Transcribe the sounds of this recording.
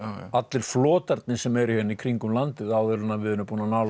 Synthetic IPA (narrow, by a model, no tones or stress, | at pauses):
at̪lɪɾ̥flɔːt̪aɾt̪̚nɪsɛmɛɾihɛnːikʰɾiŋkʏmlant̪ɪðaːwðʏlʏnavɪðɪnːʏpuːnanal